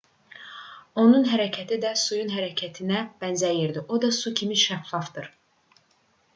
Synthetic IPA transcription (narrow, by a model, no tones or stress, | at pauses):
o̞nunɦæɾæcʰæt̪ʰid̪æsujunɦæɾæcʰæt̪ʰinæb̥ænzæjiɾd̪iʔod̪ɑsucʰimiʃæfːɑfd̪ɯɾ